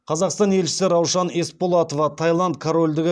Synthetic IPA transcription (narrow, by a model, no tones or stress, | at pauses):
qʰɑzɑqst̪ɑnje̞lʃɪ̥sɪɾɑwʃɑne̞spo̞lˠɑt̪o̞vɑt̪ʰɑjlˠɑnt̪̚kʰoɾo̞lʲd̪ɪɡʲɪ